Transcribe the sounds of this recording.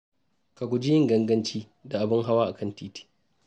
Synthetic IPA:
ka˨ɡʷu˨d͡ʒɪ˦jɪ˦ŋɡɐ˦ŋɡɐ˦nt͡ʃiː˦ | da˨ʔa˨bɪ˦ŋɦa˦waː˦ʔa˨kɐ˦˨ntiː˦ti̥ː˦

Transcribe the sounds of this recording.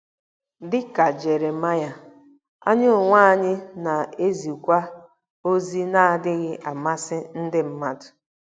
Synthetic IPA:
dɪ˦ka˨d͡ʒe˨ɾe˨ma˦ja˨ | a̰˦ɲʊ˦ʊ˨ŋʷa˦ɲɪ˦na˨e˦zi˨kʷa˦ | o˦zi˦na˦˨a˨dɪ˦ɣɪ˦ʔa˨ma˦sɪ˦n̩˦dɪ˦m̩˦ma˦dʊ̥˨

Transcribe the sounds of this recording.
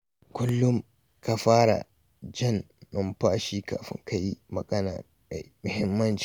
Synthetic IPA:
kʷʊ˦lːʊ˦ŋ | ka˨ɸaː˦ɽa̰˨ | d͡ʒɪ˦˨n | mɐ˨mɸaː˦ʃiː˦ka̰ː˨ɸɪ̰˦ŋkʰa˦ji˦mɐ˨ɡɐ˦na̰ː˨ | a˨jmʊ˨hɪ˦mːɐ˦nt͡ʃː

